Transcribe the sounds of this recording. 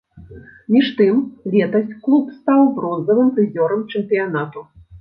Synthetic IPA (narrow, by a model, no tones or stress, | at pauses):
mʲiʂt̪ɨmlʲɛt̪ɐsʲt͡sʲklˠupst̪awbɾɔnzɐvɨmt̪ɨzʲɔɾɐmt͡ʂɨmpʲijanat̪u